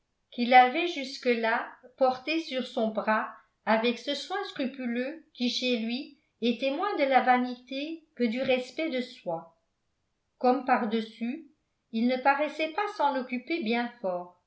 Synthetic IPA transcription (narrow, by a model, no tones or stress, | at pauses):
kilavɛʒyskəlapɔʁt̪esyʁsɔ̃bʁa | avɛksəswɛ̃skχypyløkʲiʃelɥi | et̪ɛmwɛ̃d̪əlavanit̪ekəd̪yʁɛspɛd̪əswa | kɔmpaʁd̪əsy | ilnəpaʁɛsɛpasɑ̃lɔkʲypebjɛ̃fɔːʁ